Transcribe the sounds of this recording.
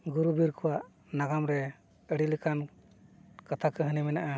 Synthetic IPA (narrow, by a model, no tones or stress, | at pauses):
ɡuɾubiɾkɔwaʔ | naɡamɾɛ | əɽilikan | kat̪ʰakəɦɯnimɛnaʔa